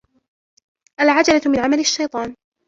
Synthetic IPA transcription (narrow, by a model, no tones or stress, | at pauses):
ʔalʕad͡ʒalamɪnʕamalaʃːajt̪ˤɑːn